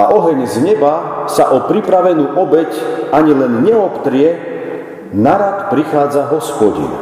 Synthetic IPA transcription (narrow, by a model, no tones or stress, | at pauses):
aʔɔɦɛɲzɲɛbasaʔɔpɾipɾaʋɛnuːʔɔbɛcaɲilɛnɲɛɔpt̪ɾɪɛ | naɾak̪pɾixaːd͡zaɦɔspɔɟḭn